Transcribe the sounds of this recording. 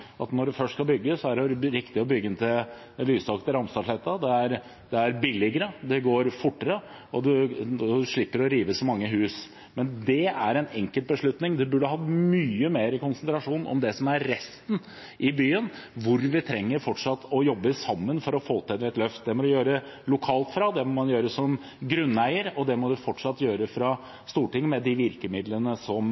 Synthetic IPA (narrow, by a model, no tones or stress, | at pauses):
ʔɑt̪nɔɖʉfœʂʈskɑlbʏɡːəsɔæɖɛɾɪkt̪ɪɔbʏɡːənt̪ʰɪl | lyːst̪ɑkt̪əɾɑmst̪ɑt̪lɛt̪ːɑd̪ɛæɾ | d̪̥ɛæɾbɪlːɪɡəɾəd̪ɛɡoːɾfʊʈːəɾə | ɔd̪ʉd̪ʉʂɭɪpːəɾɔɾiːʋəsɔmɑŋːəɦʉːs | mɛnd̪ɛæɾɛnɛŋkəlt̪̚bəʂɭʉt̪nɪŋd̪ɛbʉɖːəɦɑmyːəmeːɾɪkʊnsənt̪ɾɑʂuːnʔɔ̰md̪ɛsɔmæɾːɛst̪n | ʔɪbyːənʋʊɾʋɪt̪ʰɾɛŋːəɾfɔʈʂɑt̪ːɔjɔbːəsɑmːənfɔɾɔfoːt̪ʰəd̪ɾɛt̪lœft̪̚d̪ɛmɔd̪ʉjøːɾə | lʊkʰɑːlt̪fɾɑd̪ɛmɔmɑnjøːɾəsɔm | ɡɾʉnːæɪəɾɔd̪ɛmɔd̪ʉfɔʈʂɑt̪ːjøːɾəfɾɑ | st̪uːʈɪŋːmɛd̪ɪʋɪɾkəmɪd̪lənəsɔm